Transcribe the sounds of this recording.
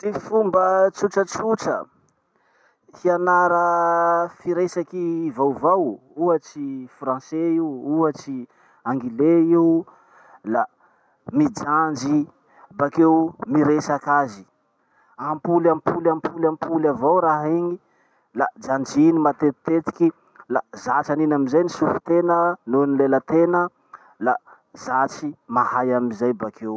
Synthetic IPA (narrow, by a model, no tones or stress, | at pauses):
tifumbət͡suʈ͡ʂət͡suʈ͡ʂə̰ | hianaɾə | fiɾesakivawvaw | uət͡sifrãseiwuət͡ʃi | aŋɡileiw | la | mid͡ʒand͡ʒi | bakewmiɾesakazi̥ | ampulampulampulampʰulavawɾaɦeɲi | lad͡ʒand͡ʒinimat̪et̪ːet̪i̥ki | lazat͡ʃaninamizajnisufut̪enənonilelət̪enə | la | z̥at͡ʃimahajamizajbakʰew